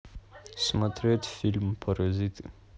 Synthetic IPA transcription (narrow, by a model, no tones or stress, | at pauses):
simat̪ɾet̪i̥filmpʰaɾazit̪ə̥